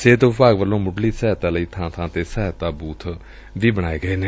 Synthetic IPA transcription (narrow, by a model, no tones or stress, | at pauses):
seːd̪ʊbaːɡʋəlːõːmʊɖliːsɛːɛt̪aːləiːt̪ʰãːt̪ʰãːt̪eːsɛɦt̪aːbuːt̪ʰ | ʋiːbəɽ̃aːeːɡəeːneː